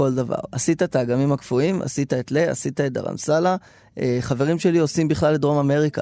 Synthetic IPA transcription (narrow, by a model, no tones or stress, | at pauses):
o̞ld̪ava̰ʁasit̪at̪aːɡamimhakfuima̰sit̪aet̪lea̰sit̪aet̚d̪a̰ʁa̰msala | eχave̞ʁimʃe̞lio̞simbiχlalːed̪ʁo̞mame̞ʁika